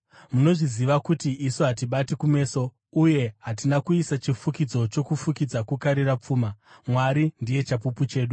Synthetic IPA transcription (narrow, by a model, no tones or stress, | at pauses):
muno̞ʐiziʋakutiʔisoɦat̬iɓatikume̞ːso̞ | uje̞ɦatinakuisat͡ʃifukid͡zo̞t͡ʃo̞kufukid͡zakukaɾirap͡fuːmamwaɾindije̞t͡ʃapuput͡ʃe̞ːɗu